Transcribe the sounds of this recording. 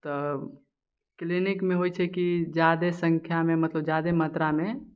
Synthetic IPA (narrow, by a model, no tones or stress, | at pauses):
t̪ɔ | klinɪkmẽɦojt͡ʃʰɛkid͡ʒjaːd̪esə̃ŋkʰjamẽmət̪ləbd͡ʒjaːd̪emət̪ɾamẽ